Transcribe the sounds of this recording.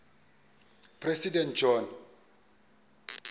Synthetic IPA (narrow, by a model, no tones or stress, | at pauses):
pʰrɛsidɛnt̚d͡ʒɔn